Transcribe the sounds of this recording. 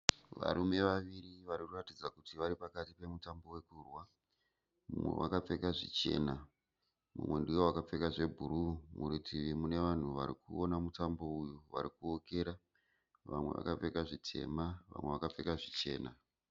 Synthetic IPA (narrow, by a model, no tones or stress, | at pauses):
ʋa̰ɾume̞ʋaʋiriʋaɾikuratid͡zakutiʋaɾipakatipe̞mutambo̞we̞kurwa | mṵmwḛwa̰kap͡fe̞kaʐḭt͡ʃe̞ːna | mṵmwe̞ndiwowakap͡fe̞kaʐe̞bʱuɾumuɾitʰiʋimune̞ʋan̤uʋaɾikuonamutambo̞ujuʋa̰ɾikuoke̞ɾa | ʋamwe̞ʋa̰kap͡fe̞kaʐitʰe̞̰maʋa̰mwe̞̰ʋakap͡fe̞kaʐit͡ʃe̞̰ːna